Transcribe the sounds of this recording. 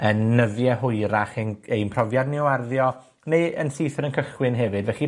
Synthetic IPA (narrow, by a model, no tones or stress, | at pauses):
ənːəðjɛɦʊjɾaχenejnpʰrɔvjadniwarðjɔ | nejənsijθəɾənkʰəχwɪnɦɛvɨdvɛχi